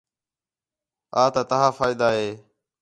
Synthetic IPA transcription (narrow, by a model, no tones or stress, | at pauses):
aːt̪aːt̪əɦãːfaːɪd̪aːɦeː